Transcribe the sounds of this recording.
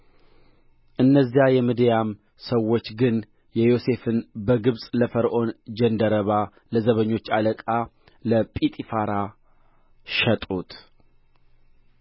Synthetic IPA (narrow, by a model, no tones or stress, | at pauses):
ʔɨnːəzːijajɛmɨd̪jam | səwːot͡ʃːɡɨn | jɛjo̞se̞fɨnbəɡɨβsʼləfəɾʔo̞nd͡ʒənd̪əɾəβa | ləzəβəɲːo̞t͡ʃːaləkʼa | ləpʼit̪ʼifaɾa | ʃɛt̪ʼut̪